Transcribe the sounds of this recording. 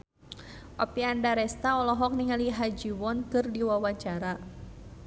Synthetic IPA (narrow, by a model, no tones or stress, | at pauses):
ʔɔpiandaɾɛst̪aɔlɔɦɔk̚niŋaliɦad͡ʒiwɔnkɨrdiwawat͡ʃaɾa